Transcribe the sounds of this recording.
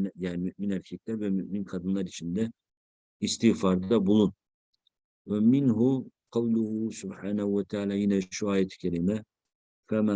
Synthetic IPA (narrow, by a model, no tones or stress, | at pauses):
njanɪmyʔminælkʰʲit̪ʰɑbvɛmyʔminqʰɑd̪ɯnlˠɑɾit͡ʃʰind̪ɛ | ist̪ɪfɑɾd̪ɑbolˠun | wɛmɪnɦʊqʰɑwlˠʊhʊsʊbħaːnahuwɛt̪ʰaːlajinɛʃuɑːjɛt̪ʰɪ̥kʲʰæɾimɛ | fæma